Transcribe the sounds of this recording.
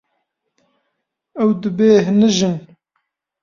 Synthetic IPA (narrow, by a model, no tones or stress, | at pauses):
ɛwd̪ɨbeːɦnɨʒɨn